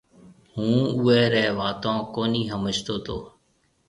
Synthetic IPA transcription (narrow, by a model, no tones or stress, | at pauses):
hũːʊɛːɾɛːʋaːt̪ãːkoːniːɦəmət͡ʃt̪oːt̪ʰoː